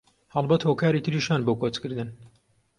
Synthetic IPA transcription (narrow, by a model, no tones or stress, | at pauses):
hɐlˠbɐt̪hoːkaːɾiːt̪ʰɨɾiːʃaːnboːkot͡skɨɾd̪ɨn